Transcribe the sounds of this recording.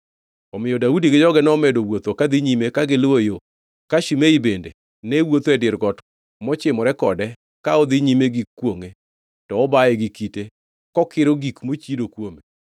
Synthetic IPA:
ɔmɪjɔdaudiɡɪd͡ʒɔɡɛnɔmɛdowot̪okad̪ɪɲimekaɡɪlwojo | kaʃimeibendḛ | nɛwot̪oɛdɪɾɡɔt | mɔt͡ʃɪmɔɾɛkɔdɛ | kaɔd̪ɪɲimeɡikːwoŋe | tɔɔbajɛɡikite | kɔkɪɾoɡikmot͡ʃidokwome

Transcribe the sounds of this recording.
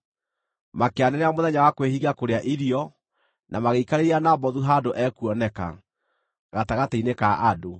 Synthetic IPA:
makeanɛɾeamoðɛɲawakwehiɣakoɾeaʔiɾiɔ | nʔamaɣeikaɾeɾianabɔðuɦadoʔɛkuɔnɛka̰ | ɣataɣateinekaʔado

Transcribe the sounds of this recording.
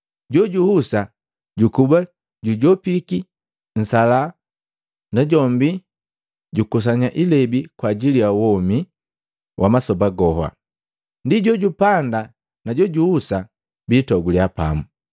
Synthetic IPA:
ɟɔɟuhusa | ɟukuba | ɟuɟɔpiki | n̩sala | naɟɔmbi | ɟukus̬aɲaʔilɛbikwaɟilijawɔmi | wʔamasɔbaɡɔɦwa̰ | ndiɟɔɟupanda | naɟɔɟuhusa | biːtɔɡuliapa̰mu

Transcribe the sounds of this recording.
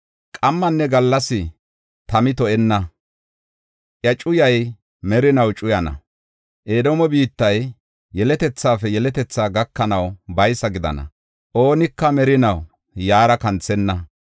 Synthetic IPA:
kʼɐmːɐnːɛɡɐlːɐsɪ | t̪ɐmɪt̪ɔʔɛnːɐ | ʔjɐt͡ʃʼʊjɐj | mɛɾɪnɐwt͡ʃʼʊjɐnɐ̰ | ʔeːd̪ɔmɔbiːt̪ːɐj | jɛlɛt̪ɛt͡sːaːfɛjɛlɛt̪ɛt͡sːaːɡɐkːɐnɐwbɐjsɐɡɪd̪ɐ̰nɐ̰ | ʔo̞ːnɪkːɐmɛɾɪnɐw | jaːɾɐkɐnt͡sːɛnːɐ

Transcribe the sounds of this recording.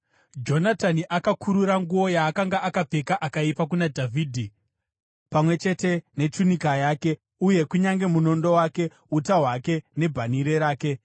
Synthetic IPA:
d͡ʒo̞nataniʔakakʰuɾuɾaŋɡuo̞jaːkaŋɡaʔakap͡fe̞kaʔakaipak̬unadʱavʱiːdʱi | pamwe̞t͡ʃe̞te̞ne̞tunikajaːke̞ | uje̞kuɲaŋɡe̞muno̞ndo̞waːke̞ | utaɦwake̞ne̞bʱaniɾe̞ɾaːke̞

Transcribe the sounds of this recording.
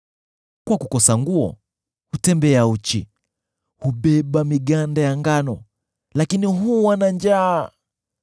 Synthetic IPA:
kwakukɔsaŋɡuɔ̰ | hutɛmbɛaut͡ʃi | huɓɛɓamiɠandajaŋɡanɔ | lakiniɦuwanand͡ʒaː

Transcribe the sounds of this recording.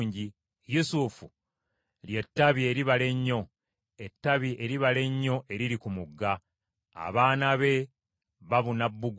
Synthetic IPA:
ɲɟi | jusufu | lje̞tːaβie̞ɾiβale̞ɲːo̞ | etːaβiʔe̞ɾiβale̞ɲːo̞ʔe̞ɾiɾikumuɡːa | a̰βaːnaβe̞ | βaβunabːuɡ

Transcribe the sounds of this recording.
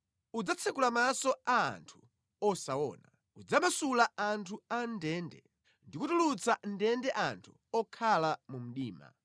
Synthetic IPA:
ud͡zat͡sʰɛkulamasɔa̰ːntʰu̥ | ɔsaɔ̰ːna | ud͡zamasulaantʰuandɛːndɛ̰ | ndikutulut͡sʰan̩dɛndɛʔantʰu̥ | ɔkʰalamum̩ɗiːma̰

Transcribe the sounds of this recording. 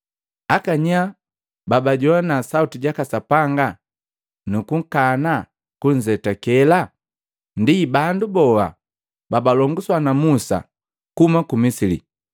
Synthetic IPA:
akaɲa | babaɟɔanasautiɟakasapaŋɡa | nukuŋ̩kana | kuɲ̩zɛtakɛla | ndibandubɔwa̰ | babalɔŋɡuswanamusa̰ | kumakumisilḭ

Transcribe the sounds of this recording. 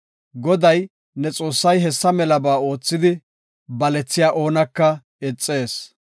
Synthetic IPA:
ɡɔd̪ɐj | nɛt͡sʼo̞ːsːɐjɦɛsːɐmɛlɐbaːo̞ːt͡sːɪd̪ɪ | bɐlɛt͡sːɪjaːʔo̞ːnɐkːɐ | ɛt͡sʼːe̞ːs

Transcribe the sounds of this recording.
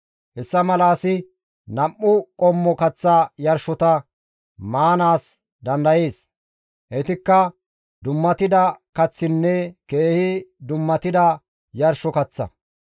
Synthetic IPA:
hɛsːɐmɐlaːsɪ | nɐmːʊkʼɔmːɔkɐt͡sːajɐɾʃɔt̪ɐ | maːnaːs | d̪ɐnd̪ɐje̞ːs | ʔɛt̪ɪkːɐ | d̪ʊmːɐt̪ɪd̪ɐkɐt͡sːɪnːɛke̞ːhɪd̪ʊmːɐt̪ɪd̪ɐ | jɐɾʃɔkɐt͡sːɐ̰

